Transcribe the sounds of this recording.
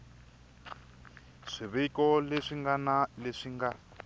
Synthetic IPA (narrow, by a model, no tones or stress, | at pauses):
ʂiβekɔleʂiŋɡanaleʂiŋɡa